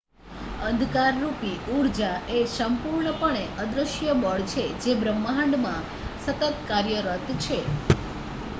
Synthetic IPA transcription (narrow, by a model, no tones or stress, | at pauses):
ənd̪ʱkaɾːupiuɾd͡ʒaʔesəmpuɾɳəpəɳeʔəd̪ɾəʃjəməɭt͡ʃʰed͡ʒebɾəmːəɦə̃ɳɖmã | sət̪ət̪kaɾjəɾət̪t͡ʃʰe